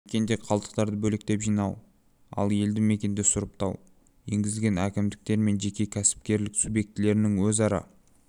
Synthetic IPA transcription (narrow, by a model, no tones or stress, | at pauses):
ekʲe̞nd̪e̞qʰɑlˠt̪ə̥q̚t̪ɑɾd̪əbɵlek̚t̪e̞pʒijnɑw | ɑ̰lˠe̞ld̪ɪme̞kʲe̞nd̪esʊɾəp̚t̪ʰɑ̰w | je̞ŋɡʲɪzɪlɡʲe̞nækʲɪmd̪ɪk̚t̪e̞ɾme̞nʒe̞kʲe̞kʲʰæsɪ̥p̚kʲe̞ɾlɪksubje̞k̚t̪ɪle̞ɾɪnɪŋwɵzɑɾɑ̰